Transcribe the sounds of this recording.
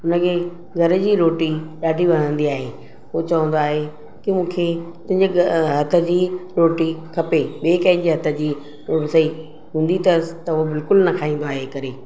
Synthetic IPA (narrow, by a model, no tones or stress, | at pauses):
ʊnə̆kʰeː | ɡʱɐɾd͡ʑiːɾoːʈiɗaːɖʱiʋɐn̤ə̃nd̪iaːɦeː | ɦʊot͡ɕɐʋə̃nd̪oaːɦe | kɪmũːkʰet̪ʊ̃ɦɪ̃ɲd͡ʑeɦɐt̪ʰə̆d͡ʑiːɾoːʈikʰɐpeɓeːkãːɪ̃nd͡ʑiːɦɐt̪ʰə̆d͡ʑiː | ɾoːʈsɐi | ɦũːnd̪it̪ɐsɪ̥t̪ɐʊɦobɪlkʊlnɐkʰaːɦĩːn̆d̪oaːɦekɐɾeː